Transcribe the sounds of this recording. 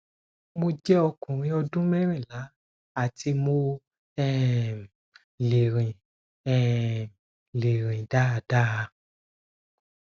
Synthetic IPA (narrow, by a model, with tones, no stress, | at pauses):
mo˧d͡ʒɛ˦ɔ˧kũ˨ɾ̃ĩ˧˦ɔ˧dũ˦mɛ˦ɾ̃ĩ˦˨la˨˦ | a˦˨tʰi˧mo˧ | ɛ˦˨ | le˨ɾĩ˨ | ɛ˨ | le˨ɾ̃ĩ˨da˦a˨d̥a˦˨a˧